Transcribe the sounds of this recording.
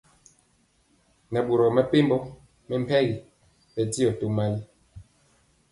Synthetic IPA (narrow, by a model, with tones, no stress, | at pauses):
nɛ˨ɓu˨ɾɔ˨mɛ˦pe˦mbɔ˦ | mɛ˦m̩˦pʰɛ˦ɣi˨ | ɓɛ˨ti˦ɔ˨to˦ma˦li˦